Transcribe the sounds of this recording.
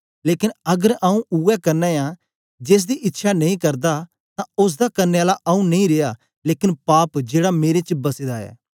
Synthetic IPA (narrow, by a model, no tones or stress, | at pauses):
leːkɪnɐɡəɾaũʔuɛkɐɾnãːjã | d͡ʒeːs̬d̪iʔɪtːʃʰanɐĩkɐɾd̪a | t̪ãʊs̬d̪akɐɾneaːlaʔɐũnɐĩɾejaː | leːkɪnpaːpd͡ʒeːɽameːɾet͡ʃbɐsed̪aɛ̰ː